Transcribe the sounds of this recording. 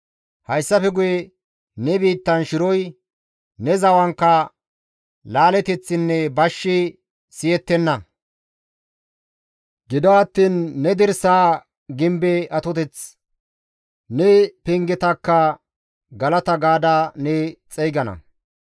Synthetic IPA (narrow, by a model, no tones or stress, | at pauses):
hɐjsːɐfɛɡʊjɛ | nɛbiːt̪ːɐnʃɪɾɔj | nɛzɐwɐŋkːɐ | laːlɛt̪ɛt͡sːɪnːɛbɐʃːɪ | sɪjɛt̪ːɛnːɐ | ɡɪd̪ɔɐt̪ːiːnːɛd̪ɪɾsaː | ɡɪmbɛɐt̪ɔt̪ɛt͡s | nɛpɛŋɡɛt̪ɐkːɐ | ɡɐlɐt̪ɐɡaːd̪anɛt͡sʼɛjɡɐnɐ̰